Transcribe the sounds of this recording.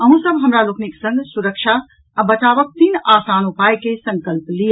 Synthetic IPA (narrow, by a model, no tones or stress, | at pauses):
əɦũsəbɦəmɾalokniksə̃ŋɡsuɾəkʃʰaː | bət͡ʃabək̚t̪inasanupajkesəŋkəlplij